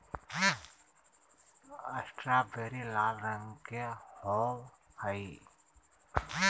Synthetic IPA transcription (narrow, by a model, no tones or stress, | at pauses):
ɐsʈɾabeɾilaːlɾəŋɡkeho | hai